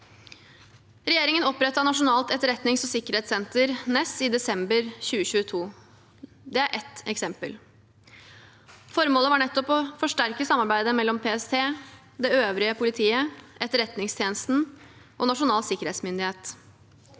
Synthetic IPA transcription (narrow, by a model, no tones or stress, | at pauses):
ɾɛjeːɾɪŋənɔpːɾɛt̪ːɑnɑʂʊnɑːlt̪ɛt̪ːəɾɛt̪nɪŋsɔsɪkːəɾeːt̪sɛnt̪əɾnɛsɪd̪ɛsɛmbəɾçʉːəɕʉːət̪ʰuː | d̪ɛæɾʔɛt̪ɛksɛmpəl | fɔɾmoːləʋɑɳɛt̪ːɔpɔfɔʂʈæɾkəsɑmːɑɾbæɪd̪əmɛlːɔmpʰeːɛst̪ʰeː | d̪ɛøːʋɾɪəpʰʊlɪt̪ʰiːəʔɛt̪ːəɾɛt̪nɪŋst̪ʰjeːnəst̪n̩ | ʔɔnɑʂʊnɑːlsɪkːəɾeːt̪smʏnd̪ɪheːt̪